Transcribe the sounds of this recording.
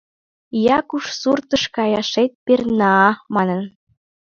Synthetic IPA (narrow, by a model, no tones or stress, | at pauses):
jɑkuʃsurt̪ə̆ʃkɑjɑʃet̪̚pernɑːmɑnə̆n